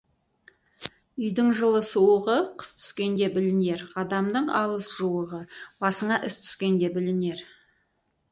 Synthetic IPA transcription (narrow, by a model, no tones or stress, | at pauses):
ʏjd̪ɪŋʒəlˠəsuwəʁəqʰə̥st̪ʰʏ̥skʲe̞nd̪e̞bɪlɪne̞ɾɑd̪ɑmd̪əɴɑlˠəsʒuwəʁəbɑsəɴɑʔɪst̪ʰʏ̥skʲe̞nd̪e̞bɪlɪne̞ɾ